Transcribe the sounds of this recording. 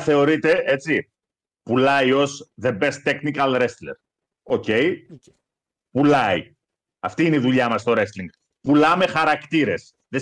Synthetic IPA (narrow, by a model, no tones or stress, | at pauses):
θe̞o̞ɾit̪e̞e̞t͡si | pulɐio̞sðe̞be̞st̪eknikɐlɾe̞sleɾ | o̞ce̞j | pulɐi | ɐft̪iineiðuʎɐmɐst̪o̞ɾe̞sliŋɡ | pulɐme̞xɐɾɐkt̪iɾe̞s | ðe